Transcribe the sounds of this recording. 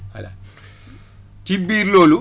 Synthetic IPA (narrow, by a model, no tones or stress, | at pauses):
ha̰la̰ | tibiɾloːlu